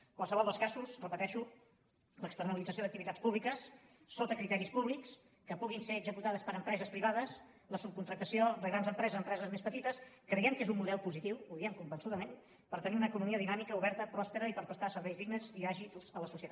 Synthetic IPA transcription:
kwalˠsəβɔlˠd̪əlˠskazusrəpət̪ɛʃu | ləkst̪ərnəlid͡zəsioðək̚t̪iβit̪at͡spuβlikəsː | ot̪əkɾit̪ɛɾispuβliks | kəpuɣinseəɡzəkut̪aðəspəɾəmpɾɛzəspɾiβaðəs | ləsup̚kunt̪ɾək̚t̪əsiod̪əɣɾanzəmpɾɛzəzəmpɾɛzəzmespət̪it̪əskɾəjɛmkezumːuðɛlˠpuzit̪iwuðiɛmkumbənsuðəmen | pəɾt̪əniunəkunumiəðinamikəuβɛɾt̪əpɾɔspəɾəipəɾpəst̪asəɾβɛjzðiɣnəziaʒiz̥ələsusiət̪a

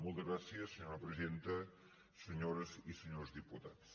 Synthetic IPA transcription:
mũlˠt̪ɐɣɾasiɐsɨɲoɾɐpɾɨziẽnt̪ɐ | sɨɲoɾɐzisɨɲoɾzðiput̪aðus

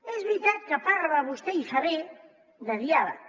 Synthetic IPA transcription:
ɛzβɾit̪at̪̚kapaɾβaβust̪eisaβe | d̪ɐðjaðɐ

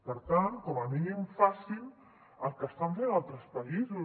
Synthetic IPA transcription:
pəɾt̪ankɔməminimfasin | əlˠkəst̪aɱfenalˠt̪ɾəspəizu

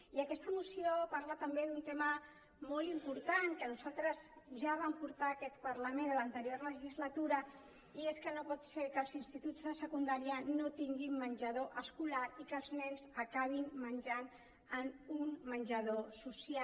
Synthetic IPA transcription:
iəkɛst̪əmusiopaɾlat̪əmbeðunt̪emə | molimpuɾt̪aŋkənuzalˠt̪ɾəzʒaβ̞ampuɾt̪aːkɛt̪pəɾləmend̪ələnt̪əɾjoɾləʒizlət̪uɾə | ieskənopɔt̪seɾkəlˠzinst̪it̪ud͡zðəsəkund̪aɾiənot̪iŋɡimːənʲʒəð̞oʔəskulaɾikəlˠznɛnzəkaβ̞inmənʲʒan | ənunmənʲʒəðosusial

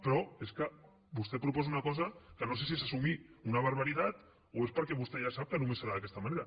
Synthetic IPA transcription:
pɾoe̞ska | bust̪epɾopo̞sunakos̬akano̞s̬e̞s̬iesasumiunaβ̞aɾβaɾit̪at̪ | oe̞spoɾkeβust̪eʝasap̚t̪anumesaɾaðake̞st̪amaneɾa

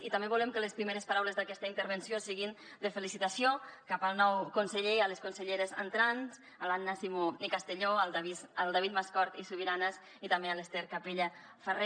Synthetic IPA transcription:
it̪ambeβulɛmkəlespɾimeɾəspaɾawlezðakɛst̪əint̪əɾβənsjosiɣin | d̪əfəlisit̪asiokapəlˠnɔwkunsəʎealeskunsəʎeɾeza̰nt̪ɾanz | əlanːasimunikast̪əʎoalˠd̪aβizalˠd̪aβit̪̚maskɔɾt̪isuβiɾanaz | it̪ambealest̪eɾkapeʎə | fəre

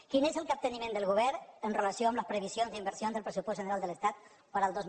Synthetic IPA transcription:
kinezəlˠkap̚t̪ənimẽnd̪əlˠɣuβɛɾənrələsjoamləspɾəβ̞isjonzðimbəɾsjonzðəlˠpɾəsupɔzʒənəɾalˠd̪ələst̪at̪̚ | pəɾəlˠd̪oz

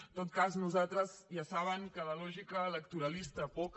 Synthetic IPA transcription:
t̪ot̪̚kaznuzat̪ɾəzjasaβ̞əŋkələlɔʒikəːləkt̪uɾəlist̪əpɔk

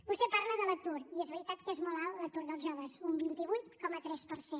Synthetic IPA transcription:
bust̪ɛpaɾləðələt̪uɾiezβəɾit̪at̪kəezmɔlˠalˠlət̪uɾðəlˠʒɔβəzumbint̪iβujt̪kɔmət̪ɾɛspəɾse

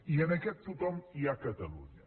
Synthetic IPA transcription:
iɐnɐkɛt̪̚t̪ut̪ɔ̃miakɐt̪ɐlṵɲɐ

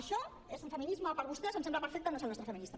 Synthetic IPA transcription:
ʃɔ | ezmfəminizmɐpəɾβust̪ɛsəmsemblɐpəɾfɛk̚t̪ənosenɔst̪ɾfəminist̪ɐ

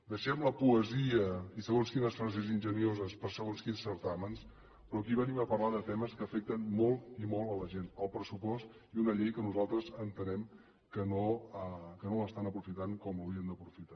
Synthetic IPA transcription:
d̪əʃɛmləpuəziəisəɣonskinəsfɾazezinʲʒəniozəspəɾsəɣonskinsəɾt̪aməns | pɾɔəkiβəniməpərlaðət̪ɛməskəːfɛk̚t̪ənmɔlˠt̪imɔlˠələʒenəlˠpɾəsupɔst̪ | iunəʎejkənuzalˠt̪ɾəzənt̪ənɛm | kənoəkənoəst̪anəpɾufit̪aŋkɔmluwɾiənd̪əpɾufit̪a

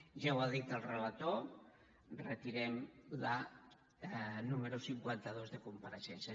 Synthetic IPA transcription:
ʒawaðit̪əlˠrəlat̪o | rət̪iɾɛmla | numəɾusiŋkwant̪əðozðəkumpəɾəʃɛnsə

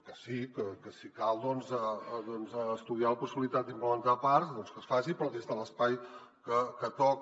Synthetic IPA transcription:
kəsikəkəsikalˠd̪ɔnzəd̪ɔnzəːst̪uðialəpusiβilit̪at̪̚d̪impləmənt̪apaɾzd̪ɔnskəsfasipɾɔðezt̪ələspaj | kəkət̪ɔk

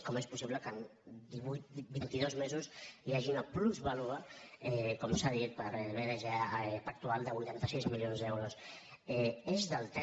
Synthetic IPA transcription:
kɔmespusiβləkənd̪iβut̪bint̪iðɔzmezuziaʒiunəpluzβaluɣəɛkɔmsaðit̪̚pəɾβeðəʒapək̚t̪ualˠd̪əβujt̪ant̪əsizmilionzd̪ɛwɾos | ɛezðəlˠt̪ɛ

